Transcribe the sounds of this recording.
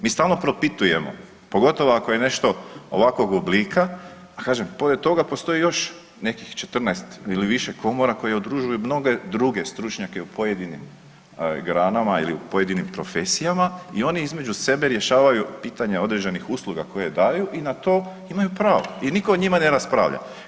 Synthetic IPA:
miːst̪aːlˠno̞pɾo̞pit̪uje̞mo̞̰ | po̞ɡo̞t̪o̞ʋoako̞je̞ne̞ʃt̪o̞oʋako̞ɡobliːkʰa | kaːʒempo̞ɾet̪o̞ɡapo̞st̪o̞jijo̞ʃ | ne̞kixt͡ʃe̞t̪r̩najst̪iliʋiʃe̞kʰo̞moɾako̞jeud̪ɾuʒujumno̞ɡe̞d̪ɾuɡe̞st̪ɾut͡ʃɲake̞upʰo̞je̞d̪inḭm | ɡɾaːnamaḭliupoje̞d̪inimpɾo̞fe̞sijamaio̞niizme̞d͡ʒuse̞be̞ɾje̞ʃaːʋajupiːt̪aɲeo̞d̪ɾe̞d͡ʑenixuslˠuɡako̞jed̪aːjuʔinat̪o̞ː | imajupɾaːʋo̰iniko̞ːɲimane̞ɾaspɾa̰ːʋʎa̰

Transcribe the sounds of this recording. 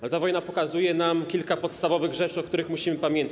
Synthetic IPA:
alɛt̪avɔjnapɔkazujɛnamkʲilkapɔt̪st̪avɔvɘɣʐɛt͡ʂɘɔkt̪uɾɘxmuɕimɘpamʲjɛnt̪a

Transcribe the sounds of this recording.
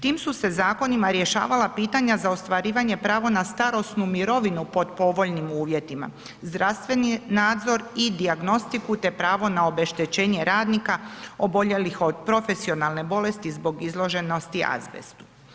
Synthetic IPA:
t̪iːmsuse̞zaːko̞nimaɾje̞ʃa̰ːʋalapiːt̪aɲazaost̪ʋaɾiːʋaɲe̞pɾaːʋo̞nast̪aɾo̞snumiɾo̞ʋinupo̞d̪po̞ʋo̞ʎnimuːʋje̞t̪ima̰ | zd̪ɾast̪ʋe̞ninaːd̪zo̞ɾid̪iaɡno̞st̪ikut̪e̞pɾaːʋo̞nao̞be̞ʃt̪et͡ɕe̞ːɲe̞ɾaːd̪nikao̞bo̞ʎe̞lixo̞d̪̚pɾo̞fe̞sio̞nalne̞bo̞le̞st̪izbo̞ɡizlˠo̞ʒe̞no̞st̪ia̰zʋḛst̪u̥

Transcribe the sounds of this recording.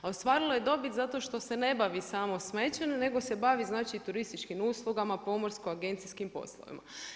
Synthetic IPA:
ao̞st̪ʋaːɾiloje̞d̪o̞bit̪zat̪o̞ʃt̪o̞se̞ne̞baʋisaːmo̞sme̞t͡ɕenene̞ɡo̞se̞baʋiznaːt͡ʃit̪uɾist̪it͡ʃkimuːslˠuɡamapo̞mo̞ɾskoaɡe̞nt̪siskimpo̞̰slo̰ʋḭma̰

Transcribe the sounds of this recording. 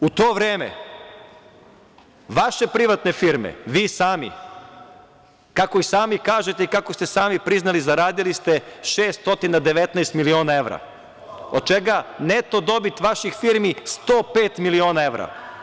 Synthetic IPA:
ut̪o̞ːʋɾeːmḛ | ʋaʃe̞pɾiʋat̪ne̞fiɾmḛʋiːsaːmḭ | kakoisaːmikaːʒet̪eikakost̪esaːmipɾiznalizaɾaːd̪ilist̪eʃe̞ːst̪o̞t̪inad̪e̞ʋe̞t̪nɛjst̪milio̞ːnae̞ʋɾa̰ | od̪̚t͡ʃeɡanet̪od̪o̞bit̪ʋaʃixfiɾmist̪oːpe̞ːt̪milio̞ːnae̞ʋɾa̰

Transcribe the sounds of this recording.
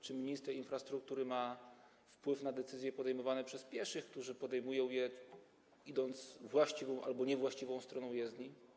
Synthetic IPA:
t͡ʂɘmʲiɲist̪ɛɾinfɾast̪ɾuk̚t̪uɾɘma | fpwɘfnad̪ɛt̪sɘzʲjɛpɔd̪ɛjmɔvanɛpʂɛspʲjɛɾʂɘxk̚t̪uʐɘpɔd̪ɛjmujɔ̃w̃jɛ | id̪ɔnt̪svwaɕt͡ɕivɔ̃w̃ʔa̰lbɔɲɛvwaɕt͡ɕivɔ̃w̃st̪ɾɔnɔ̃w̃jɛzd̪ɲi

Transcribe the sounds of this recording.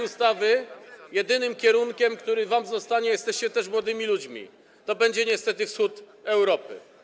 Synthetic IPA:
ust̪avɘjɛd̪ɘnɘmkʲɛɾuŋkʲɛmkt̪uɾɘvamzɔst̪aɲɛjɛst̪ɛɕt͡ɕɛt̪ɛʂmwɔd̪ɘmʲilud͡ʑmʲḭ | t̪ɔbɛɲd͡ʑɛɲɛst̪ɛt̪ɘfsxut̪ | ɛwɾɔpɘ̰

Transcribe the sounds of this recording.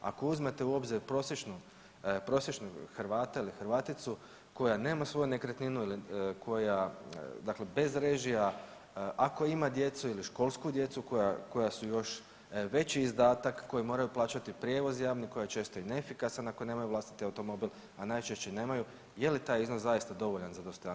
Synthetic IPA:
a̰ko̞uzmet̪e̞uobziɾpɾo̞sjet͡ʃnu | pɾo̞sjet͡ʃnuxɾʋaːt̪ailixɾʋaːt̪it̪su | ko̞jane̞ːmasʋo̞june̞kɾet̪ninuilikʰo̞jad̪akle̞be̞zɾe̞ʒija | ʔako̞imad̪je̞t̪suiliʃko̞lˠskud̪je̞t̪suko̞jako̞jasujo̞ʃ | ʋe̞t͡ɕiːzd̪aːt̪akːo̞jimo̞ːɾajuplˠaːt͡ʃat̪ipɾʲje̞ʋo̞zjaːʋniko̞jajet͡ʃe̞ːst̪o̞ineefikasanakone̞ːmajuʋlast̪i̥t̪iawt̪o̞mo̞bil | anajt͡ʃe̞ʃt͡ɕene̞ːmaju | je̞lit̪aːjiznoszajist̪ad̪o̞ʋoʎanzad̪ost̪oja

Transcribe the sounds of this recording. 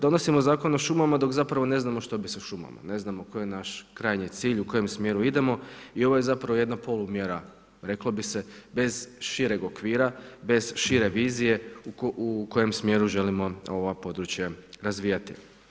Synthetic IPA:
d̪o̞nosimozaːko̞noʃumamad̪o̞kzapɾaʋo̞ne̞znamoʃt̪o̞biseʃuma̰ma̰ne̞znamoko̞jenaʃkɾaːjɲit̪siːʎuko̞je̞msmje̞ɾuid̪e̞mo̞io̞ʋo̞je̞zapɾaʋoje̞d̪napo̞lˠumjeɾa | ɾe̞klobise̞be̞z̥ʃiɾe̞ɡokʋiːɾabe̞z̥ʃiɾe̞ʋiːzije̞uuko̞je̞msmje̞ːɾuʒe̞limo̞o̞ʋapo̞d̪ɾut͡ɕjeɾazʋiːjat̪i

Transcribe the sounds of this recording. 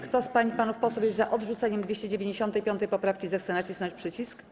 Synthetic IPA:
kt̪ɔspaɲipanufpɔsɔwʲjɛzzaʔɔd̪ʐut̪saɲɛmd̪vʲeɕt͡ɕɛd͡ʑevʲeɲd͡ʑeɕɔnt̪ɛjpʲjɔnt̪ɛjpɔpɾafkʲizɛxt̪sɛnat͡ɕisnɔɲt͡ɕʲpʂɘt͡ɕisk

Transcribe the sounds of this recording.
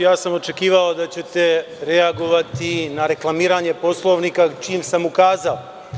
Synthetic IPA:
jaːsamo̞t͡ʃe̞kiːʋalod̪at͡ɕe̞t̪e | ɾeaɡoʋat̪inaɾe̞klˠamiːɾaɲe̞po̞slˠo̞ʋniːkat͡ʃiːmsamukaːzalo

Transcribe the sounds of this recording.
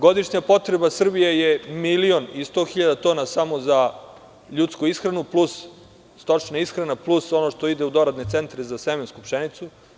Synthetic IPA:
ɡo̞d̪iʃɲapo̞t̪ɾe̞basr̩bijejemilio̞nist̪o̞ːxiʎad̪at̪onasamo̞za | ʎuːt̪skuisxɾanuplusː | t̪ot͡ʃnaisxɾanaplˠuso̞noʃt̪oid̪eud̪o̞ɾad̪net̪sent̪ɾezasemenskupʃenit̪su

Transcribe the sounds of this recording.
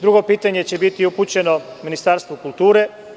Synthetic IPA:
d̪ɾuɡo̞piːt̪aɲe̞t͡ɕe̞bit̪iuput͡ɕe̞no̞ | minist̪aːɾst̪ʋokulˠt̪uːɾe

